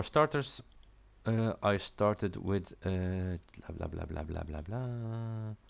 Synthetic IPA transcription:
stɑɹtə˞z | əaɪstɑɹtɨdwɪð̥ | labla̰bla̰bla̰bla̰bla̰bla

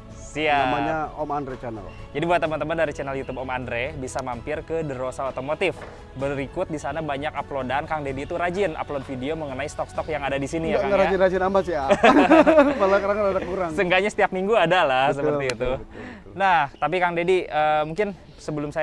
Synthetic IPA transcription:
siaamaɲaɔmandɾet͡ʃɛnɛ̰l | d͡ʒadibuat̪ːəmant̪əmandaɾit͡ʃɛnɛljut̪ubɔmandɾebisamampɪrkədəɾosaot̪omot̪ɪf | bəɾikʊt̪̚disanabaɲakaplodankaŋdediːt̪uɾad͡ʒɪnʔa̰plod̚fideoməŋənaist̪ɔkst̪ɔkjaŋadadisinijaakaŋɡaɾad͡ʒɪnɾad͡ʒɪnamasia | palakaɾaŋanadakuɾaŋsəŋɡaɲasə̥t̪iap̚miŋɡuadalahs̬əpərt̪iːt̪u | naht̪ap̬ikaŋdediəːmuŋkɪn | səbəlʊmsaj

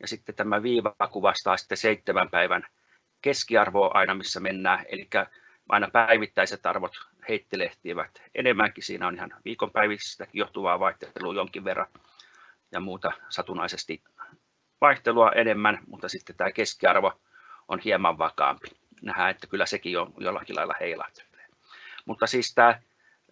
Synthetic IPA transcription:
jɑ̰sit̪ːet̪æmæʋiːʋkuʋɑst̪ɑːsi̥t̪ːeseit̪ːemæmpæiʋæn | keskiɑrʋoːʔɑ̰inɑmisːæmenːæːḛlikːæ | ʔɑ̰inɑpæiʋit̪ːæiset̪ɑrʋot̪ | heit̪ːeleht̪iːʋæt̪ʔḛnemːæŋkisḭːnæonihɑnʋiːkompæiʋisst̪ækijoht̪uʋɑːʋɑiht̪eelujoŋkiʋʋerːɑ̰n | jɑmuːt̪ɑsɑt̪unɑisest̪i | ʋɑiht̪eluɑʔenemːænmut̪ːɑsit̪ːet̪æːkeskiɑrʋo | ʔonhiemɑʋʋɑkɑ̰ːmpi̥ | næhæet̪ːækylːæsekionjo̰lːɑ̰kilʔɑ̰ilːɑ̰heilɑ̰t̪e̥e̥ː | mut̪ːɑsiːst̪æː

